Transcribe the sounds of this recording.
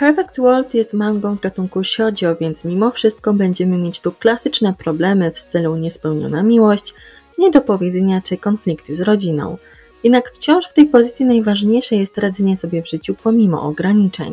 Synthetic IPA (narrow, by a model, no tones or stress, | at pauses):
pɛɾfɛkt̪wɔlt̪jɛst̪maŋɡɔ̃w̃vɡat̪uŋkuɕɔd͡ʑɔvʲjɛnt̪smʲimɔfʂɘst̪̚kɔbɛɲd͡ʑɛmɘmʲjet͡ɕt̪uklasɘt͡ʂnɛpɾɔblɛmɘfst̪ɘluɲɛspɛwɲɔ̰namʲiwɔɕt͡ɕ | ɲɛd̪ɔpɔvʲjɛd̪zɛɲat͡ʂɘkɔnflʲikt̪zɾɔd͡ʑinɔ̰̃w̃ | jjɛd̪nakft͡ɕɔ̃w̃ʂft̪ɛjpɔzɘt̪sʲinajvaʐɲejʂɛjɛst̪ɾad̪zɛɲɛsɔbʲjɛvʐɘt͡ɕupɔmʲimɔ̰ʔɔɡɾaɲit͡ʂɛ̰ɲ